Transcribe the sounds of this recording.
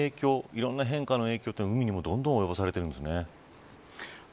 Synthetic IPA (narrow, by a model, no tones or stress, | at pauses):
eːkʲo̞ːiɾõ̞nːaɦẽ̞ŋkano̞e̞ːkʲo̞ːt̪onoɯ̟mʲiɲ̟imo̞d̪õ̞nd̪õojobasaɾe̞t̪eɾɯ̟nd̪esɨne